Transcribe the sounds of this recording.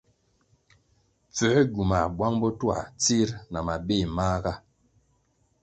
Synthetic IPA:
p͡fə˨˦ɡu˨ma˨bwa˦ŋbɔ˦tu˦a̰˨t͡si˦ɾna˨ma˨be˦˨ma˦ɡa˦

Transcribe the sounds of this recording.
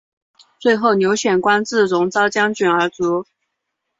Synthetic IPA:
t͡swe˥˧ɪxo˥˩ʊnjo˧˥ʊɕɥɛ˨˩nkwa˥nt͡sɹ̩˥˩ɻʊ˧˥ŋt͡sɑ˥ʊt͡ɕjɑ˥ŋt͡ɕy˨˩nə˞˧˥t͡su˧˥

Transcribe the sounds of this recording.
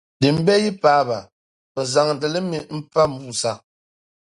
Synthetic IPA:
di˨m̩˦bɛ˦ji˦paː˨˦ba˨ | pə˨za˨ŋn̩˨tə˨lə˦mi˨m̩˦pa˦m̩˦bu˦˨sa˦˨

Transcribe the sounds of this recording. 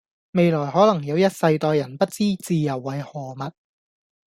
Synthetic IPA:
me˨˧jlɔː˨˩jɦɔː˨˥lɐ˨˩ŋjɐ˨˧wjɐ˥t̚sɐ˧jt̪ɔː˧jɐ˨˩npɐ˥t̚t͡siː˥t͡siː˨˧jɐ˨˩wːɐ˨˧jhɔː˨˩mɐ˨t̚

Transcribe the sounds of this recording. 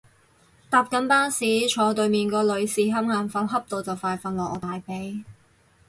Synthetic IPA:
t̪aː˨p̚kɐ˨˥npaː˥nsiː˨˥t͡ʃʰɔː˨˧t̪ɵ˨ɥmiː˨nkɔː˧lɵ˨˧ɥsiː˨˥ɦɐ˥mŋaː˨˧nfɐ˨˥wɦɐ˥p̚t̪o˨˧wt͡sɐ˨wfaː˧jfɐ˨˧nlɔː˨kʔɔː˨˧t̪aː˨jpe˨˥j

